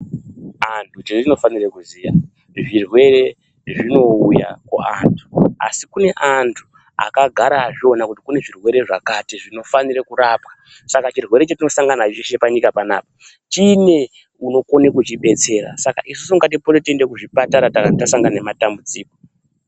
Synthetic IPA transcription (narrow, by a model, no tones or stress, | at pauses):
antʰut͡ʃeino̞fanirekuziːja̰ | ʐirwe̞ɾe̞ | ʐino̞uja̰koa̰ntʰu̥a̰sikune̞ʔantʰu | a̰kaɡʱaɾaʐio̞nakutikune̞ʐirwe̞ɾe̞ʐa̰katiʐino̞faniɾekuɾaːpkḁ | sakat͡ʃirwe̞ɾe̞t͡ʃatino̞saŋɡanaʒiʃe̞paɲikapana̰ːpa | t͡ʃine̞ | uno̞ko̞nekut͡ʃiɓe̞t͡se̞ːɾa̰saka̰ʔis̬u̥suuŋɡat̬ipoletendekuʐipataɾatakatasaŋɡananematambud͡ziːko